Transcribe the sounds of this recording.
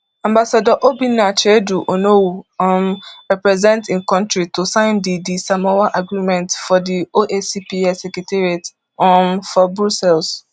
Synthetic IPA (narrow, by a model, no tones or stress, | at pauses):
ãmbasadɔʔobinːat͡ʃeduʔonowuɔ̃mɹɛpɹɛzɛ̃ntĩnkɔ̃ntɹitosãɪ̃ndidisamɔwaʔaɡɾimɛ̃ntfɔdioʔesipiɛsɛkɾɛtʰeɾiat | ɔmfɔbɾusɛls